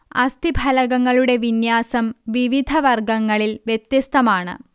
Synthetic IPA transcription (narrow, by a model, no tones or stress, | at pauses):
ɐ̰st̪ibʱɐlɐɣɐŋːɐɭuɽe̞ʋinjaːsɐmʋiʋid̪ʱɐʋɐrɡɐŋːɐɭilʋjet̪jɐst̪ɐmaːɳɨ̰